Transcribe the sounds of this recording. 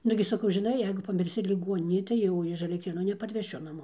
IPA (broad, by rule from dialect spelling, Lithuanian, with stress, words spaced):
ˈnʊɡʲɪ sɐˈkɐʊ ʒʲɪˈnɐɪ ˈjɛɪɡʊ pɐmʲɪrʲˈsʲɪ lʲɪˈɡuɔnʲɪnʲeːj tɐɪ ˈjɛʊ ɪʃ ɐlʲɛkˈtʲrʲeːnuː nʲɛpɐrʲʋʲɛˈʃʲʊ nɐˈmoː